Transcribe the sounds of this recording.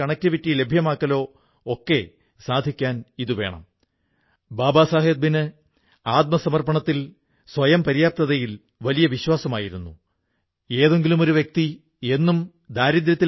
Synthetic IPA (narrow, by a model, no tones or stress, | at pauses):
ɐɳɐkʲːɨʋiʈːile̞bʱjɐmaːkːɐlo̞ː | okːe̞ | saːd̪ʱikʲːaːniðuʋe̞̰ːɳɐ̰m | baːbaːsaːɦed̪̚binɨ | aːt̪̚mɐsɐmɐrpɐɳɐt̪ːil | sʋɐjɐmpɐɾijaːp̚t̪ɐðɐjil | ʋɐlijɐʋiɕwaːsɐmaːjiɾunːu | e̞ːðe̞ŋɡilumo̞ɾuʋjek̚t̪i | e̞nːum | d̪ʱaːɾid̪ɾjɐt̪ːi